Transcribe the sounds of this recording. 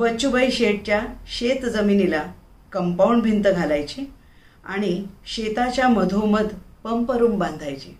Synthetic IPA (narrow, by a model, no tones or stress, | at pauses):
bət͡ɕubəjɕeʈ̚t͡ɕjaɕet̪d͡zəminila | kəmpauɳɖbʱint̪əɡʱalajt͡ɕe | a̰ɽ̃iɕet̪at͡ɕjaməd̪ʱoməd̪ʱpəmpəɾuːmbãnd̪ʱajt͡ɕe